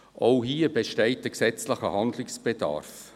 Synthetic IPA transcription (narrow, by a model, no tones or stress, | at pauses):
ʔoʊhiːəbeʃtɛɪt̚əksɛt͡sləχəhɑnd̪lɪksb̥edɑ̰ɾf